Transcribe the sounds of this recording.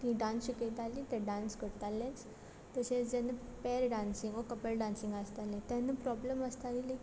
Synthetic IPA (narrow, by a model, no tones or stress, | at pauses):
t̪ĩɖãnɕikət̪alit̪ɛɖãnskəɽt̪alːẽt͡s | t̪əɕẽt͡sd͡ʑɛnəpɛɾɖãnsiŋɡəkəpəlɖãnsĩŋɡast̪alẽt̪anːəpɾɔbləməst̪alile